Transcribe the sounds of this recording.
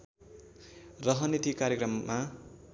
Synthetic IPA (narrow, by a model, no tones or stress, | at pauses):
rʌɦʌnit̪ikaɾjekrʌmːa